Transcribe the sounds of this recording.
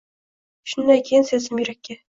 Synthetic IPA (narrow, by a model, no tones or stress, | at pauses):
ʃʊnd̪ankʲʰejɪnsezɪmjɵɾækʲːe